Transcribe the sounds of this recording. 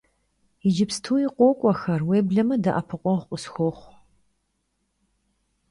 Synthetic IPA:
ɪd͡ʒɪpstʰuːjiqʷʼoːkʷʼɔxɐrweːbɮɐmɨdɐʔɐpʰɨqʷʼɔχʷqʼəsxʷoːχʷ

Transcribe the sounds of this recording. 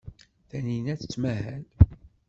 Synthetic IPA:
θæninæθə̥t͡sːmæhæl

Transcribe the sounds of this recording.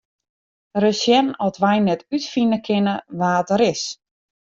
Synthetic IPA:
rəsjɛnɔtʋɛjnɛtytfinəkʰɪnəʋaːtəɾɪs

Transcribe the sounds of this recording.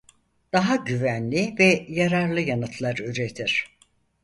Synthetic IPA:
d̪̥aɦaɟyvænlʲivɛjaɾaɾlˠɯjanɯt̪ʰlˠaɾyɾet̪ʰiɾ̥

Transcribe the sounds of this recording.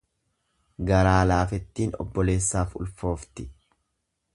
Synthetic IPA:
ɡɐɾaːlaːfɛt̪ːiːnɔ̰bːɔle̞ːsːaːfʊ̰lfo̞ːft̪ɪ

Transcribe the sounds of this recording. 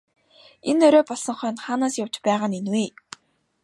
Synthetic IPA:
enœɾʲɔːpɔɮsɞ̆ɴχœːnt̪χaːnaːsjaw̥t͡ɕpæːʁaːnenweː

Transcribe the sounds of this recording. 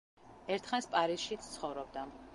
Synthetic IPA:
ɛɾt̪ʰχanspʼaɾisʃit̪sʰt̪sʰχɔvɾɔb̚d̪a

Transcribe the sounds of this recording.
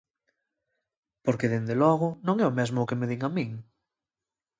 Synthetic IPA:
poɾkeðend̪elɔɣʊnõŋɛʊmɛzmʊːkemeðiŋamiŋ

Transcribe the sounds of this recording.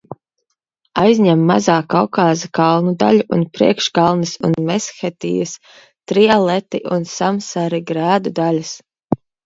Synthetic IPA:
ajzʲɲʲɛmːazaːkawkaːzikalˠnud̪a̰lʲuʔunpɾḭɛkʃɡalˠnɨsṵnmɛsxɛt̪ḭːjəs | t̪ɾialˠɛt̪iʔunsamsaɾiɡɾæːd̪ud̪alʲas

